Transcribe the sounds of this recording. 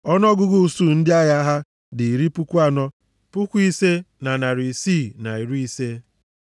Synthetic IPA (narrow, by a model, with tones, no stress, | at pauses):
ɔ˦nɔ˦ɡʊ˦ɡu˦˨su˦n̩˦dɪ˦a˦ja˦ɦa˦ | dɪ˨i˨ɾi˦pu˦kʷu˦a˦nɔ˦ | pʊ˦kʷu˦i˦se˦na˨na˨ɾi˨si˦˨na˨i˨ɾu˦i˦se˦